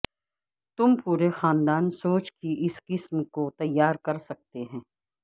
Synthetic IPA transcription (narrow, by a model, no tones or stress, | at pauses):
t̪ʊmpuːɾexaːnd̪aːnsoːt͡ʃkiɪskɪsmkot̪ɐjːaːɾkɐɾsɐk̚t̪eɦɛ̃ː